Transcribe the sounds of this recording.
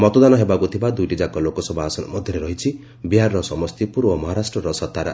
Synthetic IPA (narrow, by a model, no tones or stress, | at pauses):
mɔt̪ɔd̪anɔɦebakut̪ʰibad̪ujʈid͡ʒakɔlokɔsɔbɔasmɔd̪ʱjɔɾeɾɔɦit͡ʃʰi | biɦaɾɾɔsɔmɔst̪ipuɾbɔmɔɦaɾasʈɾɔɾɔsɔt̪aɾa̰